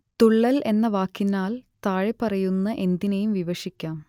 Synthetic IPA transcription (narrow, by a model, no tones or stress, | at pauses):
t̪uɭːɐle̞nːɐʋaːkːinːaːlt̪aːɻepɐrɐjunːɐʔe̞nd̪inejumʋiʋɐʂikʲːaːm